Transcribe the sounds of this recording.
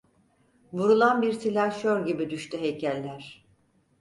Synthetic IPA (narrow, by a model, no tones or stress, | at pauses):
vuɾulˠanbiɾt̪ʰilʲaʃoɾɟibid̪yʃt̪ʰyɦejcʰælʲːæɾ̥